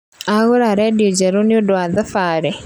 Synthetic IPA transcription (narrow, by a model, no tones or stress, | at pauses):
aɣʊɾaɾɛdiod͡ʒaɾonɪodwaðafaɾɛ